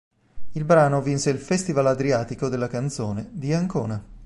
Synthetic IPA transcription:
ilbɾaːnovinseilfɛst̪ivalad̪ɾiaːt̪ikod̪elːakant̪soːned̪iaŋkoːna

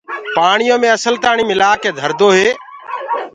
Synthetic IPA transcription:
paːɳɪjõːmẽːəsəlt̪aːɳiːmɪlaːkeːd̪ʱəɾd̪oːɦeː

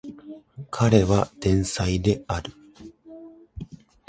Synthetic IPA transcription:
kʰaɾe̞βad̪̥ẽ̞ɰ̃said̪e̞aɾɯ̟

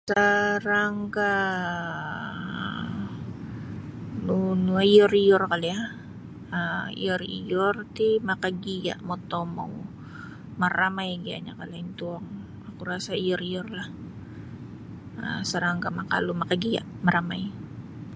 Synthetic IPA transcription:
səɾaŋka | nunuaiɔriɔrkalja | əḭɔrḭɔrt̪imakaɡia̰ʔmɔt̪ɔma̰w | maɾamajɡia̰ɲa̰kalaint̪uaŋ | akuɾasaiɔriɔrlah | ə̰səɾaŋɡamaka̰lumakaɡia̰ʔmaɾamaj

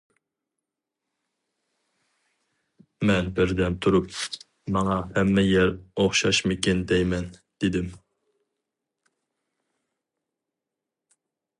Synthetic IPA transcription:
mɛnbɪɾd̪ɛnt̪ʰuɾup | mɑŋɑhɛmːɛjɛɾoχʃɑʃmɪkʲind̪ɛjmɛnd̪̥ɪd̪ɪm

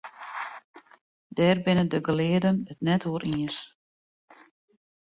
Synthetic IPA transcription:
dɛːrbɪnədəɡəlɪədənətnɛtoəɾʔiəs

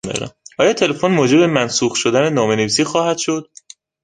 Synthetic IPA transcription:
d̪ɒ̰ːɾæ̰mʔɒːjɒːt̪ʰe̞le̞fo̞nmoːd͡ʒe̞bemænsuːɣʃo̞d̪ænenɒːmeneviːsiːxɒːhæd̪̥ʃo̞d̪̥

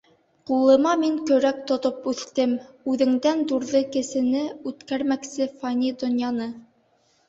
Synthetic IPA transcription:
qulˠɤ̆mɑmiŋkɵ̆ɾæk̚t̪ŏt̪opʉθt̪ɘm | ʉðɘ̆ŋd̪ænd̪uɾðɤkɘ̆sɘ̆nɘʉt̪kæɾmæksɘfanʲid̪ŏnjɑnɤ

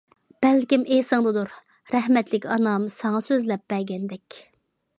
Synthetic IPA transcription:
b̥ɛlkʲimesɨŋd̪ɨd̪uɾ | ɾɛhmɛt̪lɪkʲɑnɑmsɑŋɑsøzlɛp̚b̥ɛɾɡʲɛnd̪ɛkʲ

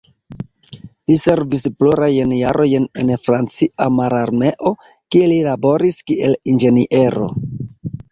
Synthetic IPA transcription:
lise̞ɾvisploɾajnja̰ɾʔo̞jnenfɾant͡siamaɾaɾme̞ʔo̞ | kielilabo̞ɾiskiʔe̞lind͡ʒe̞niʔe̞ɾo̞̰

